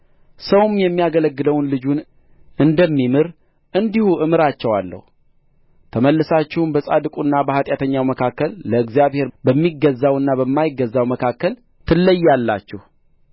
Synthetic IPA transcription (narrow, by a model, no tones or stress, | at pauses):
səwumjɛmːijaɡələɡːɨd̪əwnlɨd͡ʒun | ɨnd̪əmːimɨɾ | ʔɨnd̪ihuʔɨmɨɾat͡ʃːɛwalːə̰hu | t̪ʰəməlːɨsat͡ʃːɪhumbəsʼa̰d̪ɨkʼunːabəhat̪ʼjat̪ʰəɲːawməkʰakːəlːəɨɡzijaβhe̞ɾbəmːiɡːəzːawɨnːaβəmːajɪɡːəzːawməkʰakːəl | t̪ʰɨlːəjːalːa̰t͡ʃːɛhu